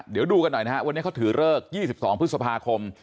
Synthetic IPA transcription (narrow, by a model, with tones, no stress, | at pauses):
di˩˦əwduː˧ka˧nːɔ˨˩jna˦˥ɦa˦˥ʔwa˧ni˦˥˩kʰːt̪ʰɯː˩˦ɾɤː˥˩k̚jiː˥˩si˨˩p̚sɔ̰ː˩˦ŋpʰɯ˦t̪̚sa˧pʰaː˧kʰo˧m